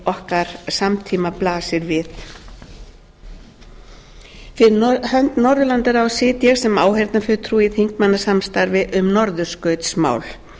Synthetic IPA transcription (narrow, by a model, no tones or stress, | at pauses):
ɔhkaɾ̥samt̪ʰiːmaplaːsɪɾvɪθ | fɪɪhœnt̪nɔɾðʏlant̪aɾawsɪːt̪jɛɣsɛmaːwɦɛɾt̪nafʏːt̪ʰɾuiθiŋkmanːasamst̪aɾvɪʔʏmnɔɾðʏskœɥt̪sma̰ːwl